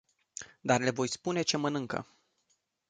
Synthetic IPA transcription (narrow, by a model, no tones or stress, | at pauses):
d̪arle̞vo̞jspune̞t͡ʃe̞mənɨŋkə̰